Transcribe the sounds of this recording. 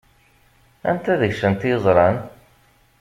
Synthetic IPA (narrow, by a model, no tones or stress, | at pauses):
æ̰nt̪æðəçsənt̪jəzˤɾˤɑn